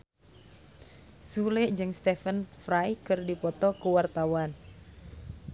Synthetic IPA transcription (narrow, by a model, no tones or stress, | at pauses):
sulɪʔd͡ʒɨŋst̪ɛfənfɾajkɨrdipɔt̪ɔkəwart̪awan